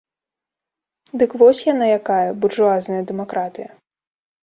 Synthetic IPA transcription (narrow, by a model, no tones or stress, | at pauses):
d̪ɨkvɔsʲjanajakajɐbuʐuaznɐjɐd̪ɛmakɾat̪ɨjɐ